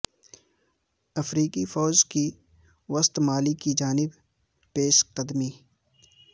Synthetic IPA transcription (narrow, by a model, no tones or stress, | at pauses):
ɐfɾiːqifɔːzki | wɐst̪maːlikid͡ʒaːnɪb | peːʃqəd̪miː